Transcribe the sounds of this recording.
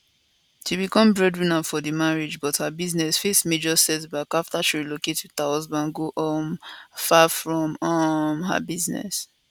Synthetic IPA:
ʃibikɔ̃mbɹɛdɹĩnafɔðəmaɹid͡ʒbɔthabiznɛsfesmed͡ʒɔsɛtbakaftaʃiɹilokettahɔzbãnɡoʔɔmfafɹɔ̃mɔmɦa̰biznɛ̰s

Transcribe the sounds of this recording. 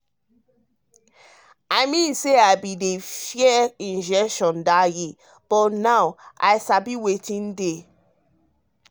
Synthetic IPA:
aɪmĩnseaɪbidefjɛĩnd͡ʒɛkʃɔ̃ndaje | b̥ɔtnaʊa̰ɪsabiwetĩnde

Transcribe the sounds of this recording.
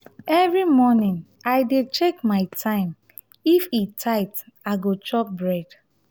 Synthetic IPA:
ɛvɹimɔnĩn | aɪdet͡ʃekmaɪtʰãɪ̃m | ifitʰaɪtaɡot͡ʃɔp̚bɹɛd̥

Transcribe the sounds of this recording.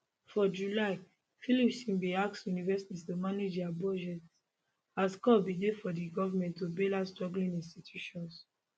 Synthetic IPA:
fɔd͡ʒulaɪ | filipsĩmbiaksjunivɛsi̥tistomaned͡ʒabɔd͡ʒɛt | askɔbidefɔdiɡɔvamɛ̃ntːobelastɹɔɡlĩnĩnstitʰjuʃɔ̃ns

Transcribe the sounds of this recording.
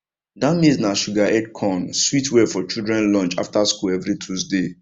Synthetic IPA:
dãʊ̃neznaʃuɡaɛd̚kʰɔ̃nswitwɛfɔt͡ʃildɹɛ̃nlɔ̃nt͡ʃa̰ftaskulɛvɾitʰusde

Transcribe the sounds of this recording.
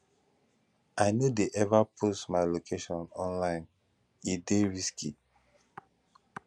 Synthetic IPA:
ʔaɪnudeʔɛvapʰosmaɪlokʰeʃɔ̃nɔ̃nlãɪ̃n | ideɹiski

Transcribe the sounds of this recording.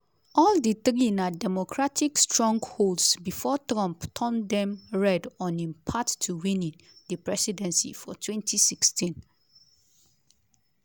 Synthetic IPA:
ɔlditɾĩnadɛmokʰɹatikstɹɔ̃ŋɡholdsbifɔtɹɔ̃mptʰɔ̃ndɛ̃mɹɛdɔ̃nĩnpʰattʰːuwĩnĩn | dəpɹɛsidɛ̃nsḭfɔtʰwɛ̃ntʰisikstĩn

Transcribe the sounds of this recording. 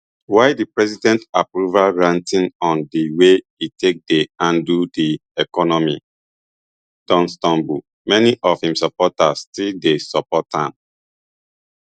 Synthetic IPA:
waɪdipɹɛsidɛ̃ntapɹuvalɹãntĩnɔ̃ndiwe | itek̚deãndudiɛkɔnɔmi | d̥ɔ̃nstɔ̃mbu | mɛniʔɔfhĩmsɔpɔtastildesɔpɔtʰãm

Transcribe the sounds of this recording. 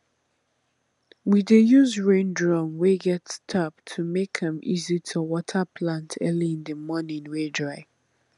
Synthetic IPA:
widejuzɹẽndɹɔmweɡɛtstʰap̚tʰumekɛ̃mizitʰuwɔtʰəpʰlãntʰɜliĩnðəmɔnĩŋwedɹaɪ

